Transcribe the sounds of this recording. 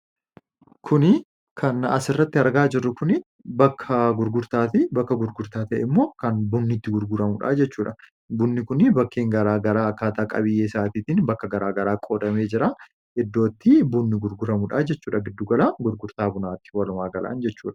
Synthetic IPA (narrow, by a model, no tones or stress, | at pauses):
kʰʊnɪ | kʰɐnɐ̰sɪrːɐt̪ːɪɐɾɡaːd͡ʒɪrːʊkʊnɪ | bɐkʰːɐɡʊɾɡʊɾt̪aːt̪ɪbɐkːɐɡʊɾɡʊɾt̪aːt̪ɐʔɪmːo̞ːkɐnbʊnːɪt̪ːɪɡʊɾɡʊɾɐmʊᶑa̰ːd͡ʒɛt͡ʃːuːᶑɐ | bʊnːɪkʊnɪbɐkːeːŋɡɐɾaːɡɐɾaːɐkːaːt̪aːkʼɐ̰βɪjːeːsaːt̪iːt̪ɪnbɐkːɐɡɐɾaːɡɐɾaːkʼo̞ːᶑɐme̞ːd͡ʒɪɾa | ɪd̪ːo̞ːt̪ːɪbʊnːɪɡʊɾɡʊɾɐmʊᶑaːd͡ʒɛt͡ʃːuːᶑɐɡɪd̪ːʊɡɐlaːɡʊɾɡʊɾt̪aːbʊnaːt̪ɪ̥wɐlʊmaːɡɐlʔa̰ːnd͡ʒɛt͡ʃːuːᶑɐ̥